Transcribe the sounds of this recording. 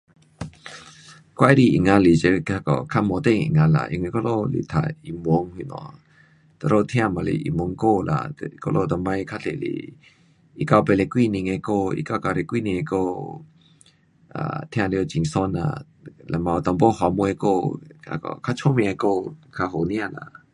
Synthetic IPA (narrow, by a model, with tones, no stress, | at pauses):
kwa˧jɾi˧˨ʔḭ˨ŋa˧li˨t͡ʃe˧a˧kɔ̰˨kʰa˦mɔ˧t̪e˦˧˨ŋḭ˨ŋa˧la̰˨ʔḭ˧ŋi˧kɔ˦˧lo˦˧lḭ˨t̪ʰa̰˨i˨mwɔ˨˧˦ŋhi˧˨nɔ̰˨ | t̪ə˧˨ɾo˧t̪ʰj̃ã˧˨ma˨lḭ˨ʔḭ˨mwɔ˨˧˦ŋko˦˧la̰˨t̪ko˧lo˧˨t̪ɔ˧˨mã˧jkʰa˧ɬḛ˨lḭ˨ | i˧˨ka˧pe˧le˧˨kwi˦˧˨ni˧ŋe˧ko˧ḭ˧ka˧ka˧ɾe˧˨kʷi˦˧ni˧e˧ko˦˧ | ʔa̰˨t̪ʰã˧li˧˦o˧t͡ʃi˨ŋsɔ˧˦na̰˧˨ | la˧ma˧˨˧t̪ɔ˧mbo˦hɔ˧mu˧e˧˦ko˦˧a̰˧kɔ̰˨kʰa˦t͡ʃʰo˦mĩ˧a˧ko˦˧kʰa˧ɦo˨nĩ˦a˧˨la̰˨